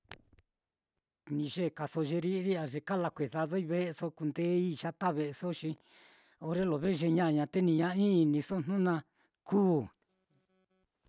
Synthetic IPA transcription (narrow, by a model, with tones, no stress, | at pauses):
nĩ˧ʒe˦˨ka˨so˧ʒe˧ɾi˦˧˦ɾi˦a˧ʐe˧ka˦la˧kʷe˨ða˧ðo˦i˦βe˦ʔe˧so˧ku˧nd̪e˦i˦ʂa˦t̪a˦βe˧ʔe˧so˦ʃi˧ | o˧ɾe˦lo˨βe˦˧ʒe˧ɲã˦˧ɲã˧t̪e˦nĩ˧ɲã˧ĩː˦˧˨nĩ˧so˦n̥nũ˦nã˧ | kuː˦